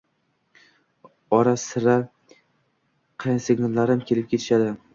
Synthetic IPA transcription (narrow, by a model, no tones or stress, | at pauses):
ɒɾasɪɾa | qʰɑjnsɪɡnɪlːaɾɪmkʲʰe̞lɪp̚kʲet̪ʰɪʃad̪ɪ